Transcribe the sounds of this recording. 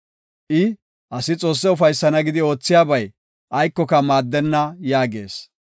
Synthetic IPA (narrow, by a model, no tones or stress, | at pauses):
ʔɪ | ʔɐsɪt͡sʼo̞ːsːɛʊfɐjsːɐnɐɡɪd̪ɪo̞ːt͡sːɪjaːbɐj | ʔɐjkːɔkɐmaːd̪ːɛnːɐjaːɡe̞̰ːs